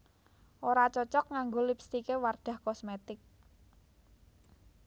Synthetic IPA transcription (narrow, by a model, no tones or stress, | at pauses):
ʔoɾat͡ʃɔt͡ʃɔk̚ŋaŋɡolipst̪ikeward̪̥a̤hkɔsmet̪ɪk̚